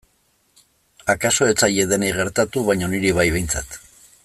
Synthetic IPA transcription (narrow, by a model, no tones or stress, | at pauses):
akaso̞e̞t͡saʎe̞ðenejɣe̞ɾt̪at̪uβajɲo̞niɾiβ̞ajβe̞jnt͡sa̰t̪